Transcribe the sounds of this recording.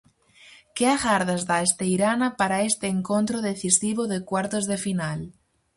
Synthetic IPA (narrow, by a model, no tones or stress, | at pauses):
keaɣaɾð̞azðaest̪eiɾanapaɾaest̪eːŋkont̪ɾoð̞eθisiβ̞oðekwaɾt̪ozðefinal